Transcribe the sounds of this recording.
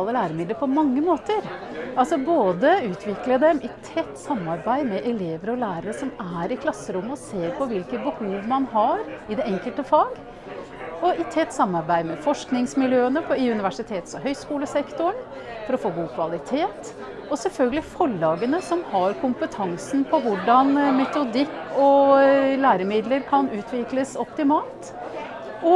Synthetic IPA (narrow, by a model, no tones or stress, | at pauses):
ləlæːɾəmɪd̪əɾpʰɔmɑŋːəmoːt̪əɾɑlsɔboːd̪əʉːt̪ʰʋɪkləd̪ɛmɪt̪ʰɛt̪ːsɑmːɑɾbæɪmɛʔɛleːʋəɾəɔlæːɾəɾəsɔmæɾɪkʰlɑsːəɾʊmːəɔseːɾpʰɔʋɪlkət̪bəhuːʋmɑnɦɑɾɪd̪ɛɛŋkəlt̪əfɑːɡ | ɔɪt̪ʰɛt̪ːsɑmːɑɾbæɪd̪mɛfɔʂknɪŋsmɪljøːənəpʰɔɪʉnɪʋæʂɪt̪ʰeːt̪sɔɦœʏskuːləsɛkt̪ʊəɳ | fɔɾɔfoːɡuːkʰʋɑlɪt̪ʰeːt̪ | ɔsɛlfœlɡəlɪfɔɭːɑːɡənəsɔmhɑɾkʰʊmpət̪ʰɑŋsn̩pʰɔʋʊɖɑnmɛt̪ʊd̪ɪkːɔlæːɾəmɪd̪ləɾkʰɑnʉːt̪ʰʋɪkləsɔpt̪ɪmɑːlt̪ | ʔɔ